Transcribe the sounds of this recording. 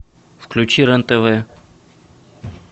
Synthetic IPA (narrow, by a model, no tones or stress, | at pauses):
fklʲʉt͡ɕiɾɛnt̪ɛvɛ